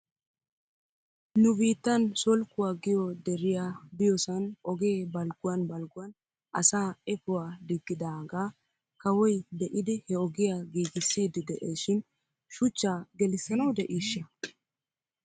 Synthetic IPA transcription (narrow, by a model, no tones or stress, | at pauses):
nʊbiːt̪ːɐnsɔlkːʊwaːɡɪjɔd̪ɛɾɪjaːbɪjɔsɐnɔɡe̞ːbɐlɡʊwɐnbɐlɡʊwɐn | ʔɐ̰saːɛpʊwaːd̪ɪɡːɪd̪aːɡaː | kɐwɔjd̪ɛʔɪd̪ɪhɛɔɡɪjaɡiːɡɪsːiːd̪ɪd̪ɛʔeːʃɪn | ʃʊt͡ʃːaːɡɛlɪsːɐnɐwd̪ɛʔiːʃːɐ